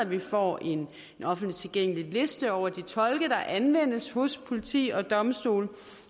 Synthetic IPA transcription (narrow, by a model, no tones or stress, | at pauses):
ʋifɒ̰ːʔe̝n | ɒ̽fn̩d̥lit͡sʰe̝lɡ̥eŋ̰əlile̝sd̥əɒʊ̰ɐd̥it͡sʰɒ̽lɡ̥əd̥ɑ̈ʔænʋen̰əshɔ̽spʰo̝lit͡sʰḭːɒ̽d̥ɒ̽msd̥o̝̰ːl